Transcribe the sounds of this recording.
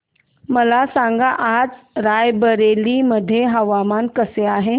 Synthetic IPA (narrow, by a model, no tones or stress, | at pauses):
mɐlasãːŋɡaʔaːtɾaːjbəɾeːlimɐd̪ʱeɦɐʋaːmaːnkəseaːɦe